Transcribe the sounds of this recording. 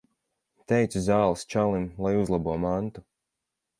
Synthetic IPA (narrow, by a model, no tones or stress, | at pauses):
t̪ɛjt̪suzaːlˠɨst͡ʃalˠimlˠajuzlˠabuɔmant̪u